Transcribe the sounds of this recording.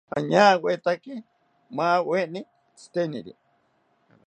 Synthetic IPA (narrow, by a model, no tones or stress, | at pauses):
a̰ɲãwwet̪aki | mãːweʔni | t͡sʰi̥t̪enḭɾḭ